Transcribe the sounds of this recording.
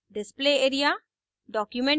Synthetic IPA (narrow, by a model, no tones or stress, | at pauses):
ɖɪspleːeːɾija | ɖɔːkjumẽɳ